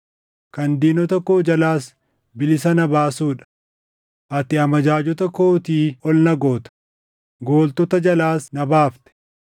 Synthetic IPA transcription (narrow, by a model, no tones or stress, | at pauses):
kɐnd̪iːnɔt̪ɐkːoːd͡ʒɐlaːs | bɪlɪsɐnɐbaːsuːᶑɐ̥ | ʔɐt̪ɪɐmɐd͡ʒaːd͡ʒɔt̪ɐkoːt̪iːɔlnɐɡoːt̪ɐ̥ | ɡo̞ːlt̪ɔt̪ɐd͡ʒɐlaːsnɐbaːft̪ɛ̥